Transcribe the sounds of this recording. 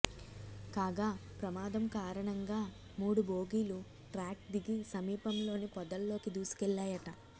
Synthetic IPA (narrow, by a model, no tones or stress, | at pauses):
kaːɡaːpɾɐmaːd̪ɐmkaːɾɐɳɐŋɡaː | muːɽubo̞ːɡiːlu | ʈɾaːk̚d̪iɡisɐmiːpɐmlo̞ːnipɔd̪ɐlːo̞ːkid̪uːsu̥kɛlːaːjɐʈɐ